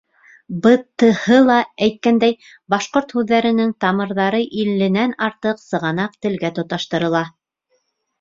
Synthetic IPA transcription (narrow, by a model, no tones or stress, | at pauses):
bɤ̆t̪ːɤ̆hɤlˠɑæjt̪̚kænd̪æj | bɑʃqoɾt̪hʉðːæɾɘ̆nɘŋt̪ɑmɤ̆ɾðɑɾɤʔilːɘ̆nænɑɾt̪ɤqsɤ̆ʁɑnɑq̚t̪ɘ̆lɡæt̪ŏt̪ɑʃt̪ɤ̆ɾɤ̆lˠɑ